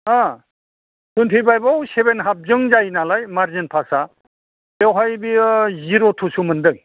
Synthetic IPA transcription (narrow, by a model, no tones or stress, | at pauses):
a | sʰuntʰibajbawsebenɦap̚zɯŋzajnalajmaɾzinpʰasa | ewɦajbiziɾotʰusumɯndɯŋ